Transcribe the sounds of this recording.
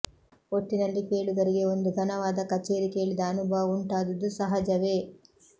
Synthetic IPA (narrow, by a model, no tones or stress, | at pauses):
oʈːinɐlːike̞ːɭuɡ̪ɐɾiɡe̞o̞nd̪uɡʱɐnɐʋaːd̪ɐkɐt͡ʃe̞ːɾike̞ːɭid̪ɐːnubʱɐʋɐuɳʈaːd̪ɐd̪ːusɐɦɐd͡ʒɐʋe̞ː